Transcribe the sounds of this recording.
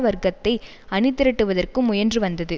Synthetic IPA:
ʋɐɾɡɐt̪ːɐɪ | ɐnɪt̪ːɪɾɐʈːɯʋɐðɐrkɯmːʊjɐndrɯʋɐnd̪ɐðɯ

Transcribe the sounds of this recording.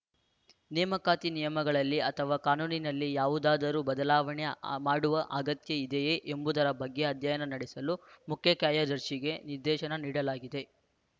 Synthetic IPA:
nɛːmɐkaːt̪inijɐmɐɡɐɭɐlːiɐt̪ʰɐʋaːkaːnuːninɐlːijaːʋud̪aːd̪ɐɾuːbɐd̪ɐlaːʋɐɳemaːɽuʋɐʔɐɡɐt̪jɐid̪ejeːʔembud̪ɐɾɐbʱɐɡːeɐd̪ʱjɐjɐnɐnɐɽɛsɐlumukʰjɐkjaːjad̪ɐɾʂiɡe̞niɾd̪ɛːʃɐnɐniːɽɐlaːɡid̪e̞

